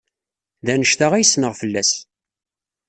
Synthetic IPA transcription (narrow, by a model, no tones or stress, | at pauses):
ðænəʃt̪aʁæjsnəʁfəlːæs